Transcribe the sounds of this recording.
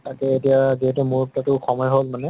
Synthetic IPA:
takɛetijaziɦɛtɛmuɹtatʊxʰɔmɔjɦolmanɛ

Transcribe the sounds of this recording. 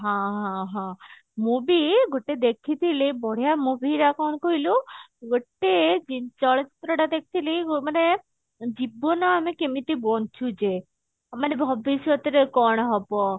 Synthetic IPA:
ɦãɦãɦã | mubiɡoʈed̪ekʰit̪ʰilibɔɽ̤ijamubiɾakɔnkoɦiluɡoʈːed͡ʒint͡ʃɔɭt͡ʃit̪ːɾɔʈad̪ekʰi̥t̪ʰilimane | d͡ʒibːonaamekemit̪ibɔnt͡ʃʰud͡ʒe | amanebʱɔbisɔt̪iɾekɔɽ̃ɦɔpɔ

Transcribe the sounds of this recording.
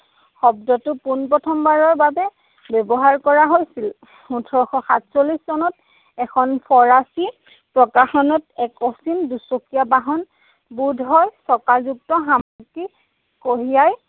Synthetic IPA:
xɔbdɔtʊpunpɹɔtʰɔmbaɹɔɹbabɛ | bɛbɔɦaɹkɔɹaɦojsil | utʰɔɹɔxɔxatsoliszɔnɔt̚ | ɛkʰɔnpʰɔɹasi | pɹɔkaxɔnɔtɛkɔsindusokijabaɦɔn | budʱɦɔjsɔkalzuk̚tɔɦamaki | koɦijaj

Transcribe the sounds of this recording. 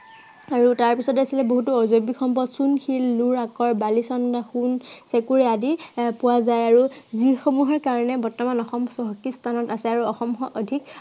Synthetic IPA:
aɹutaɹpisɔtɛasilɛboɦutuɔzobixɔmpɔtsunxilːuɹakɔɹbalisɔndaxunsekuɹɛadipʊwazajaɹuzixomuɦɔɹkaɹɔnɛbɔɹtːɔmanɔxɔmsɔɦɔkistʰanɔtasɛaɹuɔxɔmxɔʔodʱik

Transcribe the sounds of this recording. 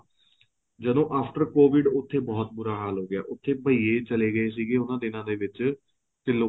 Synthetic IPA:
d͡ʒəd̪õːʔaːpʰʈəɾkoːʋɪɖʊt̪ʰːeːbɔːt̪̚buːɾaːɦaːlɦoːɡɪja̰ːʔʊt̪ʰːeːbəiːeːt͡ʃəleːɡəeːs̬iːɡeːʊnãːd̪ɪnãːd̪eːʋɪt͡ʃ | t̪ɪloː

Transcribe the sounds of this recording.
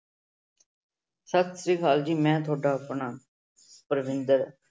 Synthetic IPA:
səkt̪siːkʰaːld͡ʒiːmɛ̃ːt̪ʰoːɖaːəpɳaː | pəɾʋɪ̃nd̪əɾ

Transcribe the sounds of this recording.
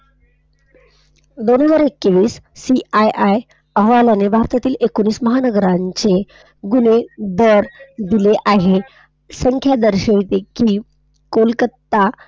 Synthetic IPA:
d̪onɦəd͡zaɾekːeʋiːsːiajʔaj | əɦʋalanebʱaɾt̪at̪iːlʔekoñiːsməɦanəɡəɾaɲt͡ɕe | ɡuned̪əɾd̪ileʔaɦe | səŋkʰjad̪əɾɕəʋit̪ekiː | kolkət̪ːa

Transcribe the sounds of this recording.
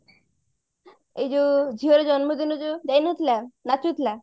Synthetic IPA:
ed͡ʑod͡ʑʱiɦoɾed͡ʒɔnmod̪inod͡ʒod͡ʑajnot̪ʰilanat͡ʃut̪ʰila

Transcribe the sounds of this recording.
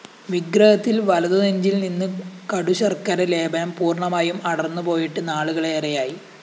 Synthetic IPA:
ʋiɡɾɐhɐt̪ːilʋɐlɐðɐðeɲd͡ʑilninːɨkɐɽuɕɐrkɐɾɐle̞ːbɐɐmpuːrɳɐmaːjumɐɽɐrnːupo̞ːjiʈːɨnaːɭuɣɐɭeːrɐjaːji

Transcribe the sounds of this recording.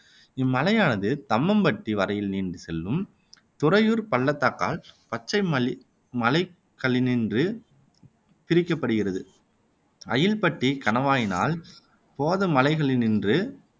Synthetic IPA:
ɪmːɐlɐjaːnɐðɯt̪ɐmːɐmbɐʈːiʋɐɾɐjɪlniːndɯsɛlːɯm | t̪ʊɾɐjuːɾpɐɭːɐt̪ːakːa̰ːlpɐt͡ʃːɐɪmɐ | mɐlɐɪ | kːɐɭɪnɪndrɯ | pɪɾɪkːɐpːɐɽɯɣɪrɐðɯ | ɐjɪlpɐʈːikɐnɐʋaːjɪna̰ːl | poːðɯmɐlɐɪɣɐɭɪnɪndrɯ

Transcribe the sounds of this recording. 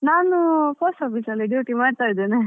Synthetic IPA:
naːnupʰoːsʈaːpisɐlːiɖjuːʈimaːɖt̪aːjd̪eːne

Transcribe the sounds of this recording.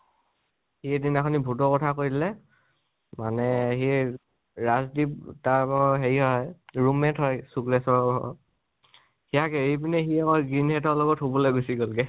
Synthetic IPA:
hiɛdinaxʰɔnibʱutɔkɔtʰakoɹidilɛ | manɛhi | ɹazdiptabɔɦeɹiɦɔɔjɹumɛtɦɔjsukɹɛsɔɹɔ̰ | hijakɛejbinɛxiɛkɔɡɹinhɛtɔɹlɔɡɔtɦobɔleɡosiɡɔlɡɛ

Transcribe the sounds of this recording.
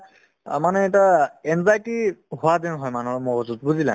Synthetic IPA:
manɛɛtaɛnzajtiɦʊadinɦɔjmanuɹmɔɡɔzut̚buzila̰

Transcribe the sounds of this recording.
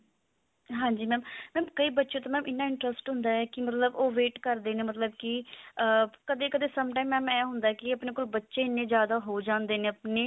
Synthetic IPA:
ɦãːɲd͡ʒiːmɛ̃ːmmɛ̃ːmkəiːbətːʃẽːt̪ãːmɛːmʔɪnːãːɪɳʈɾəsʈɦʊ̃nd̪aːɛːkɪmət̪ləboːʋeːʈkəɾd̪eːneːmət̪ləbkɪəkəd̪eːkəd̪eːsəmʈaːimɛːmɛːɦʊ̃nd̪aɛːkɪəpneːkoːlbətːʃeːɪnːẽːzjaːd̪aːɦoːd͡ʒãːnd̪eːnẽːəpneː

